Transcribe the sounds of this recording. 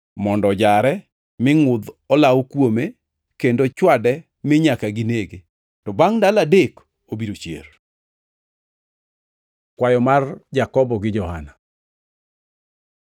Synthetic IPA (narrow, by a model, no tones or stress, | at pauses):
mɔndɔd͡ʒaɾɛ | mɪŋʊd̪ɔlawkwome | kendot͡ʃwadɛ | mɪɲakaɡɪneɡe | tɔbaŋdaladek | obiɾot͡ʃjḛr | kwajɔmard͡ʒakɔbɔɡɪd͡ʒɔhana